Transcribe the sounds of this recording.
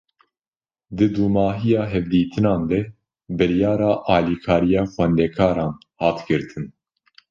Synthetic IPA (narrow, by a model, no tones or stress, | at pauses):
d̪ɨd̪uːmɑːɦijɑːɦɛvd̪iːt̪ʰɨnɑːnd̪ɛ | bɨɾjɑːɾɑːʔɑːliːkʰɑːɾijɑːxʷwɛnd̪ɛkʰɑːɾɑːn | hɑːt̪ɡɨɾt̪ʰɨn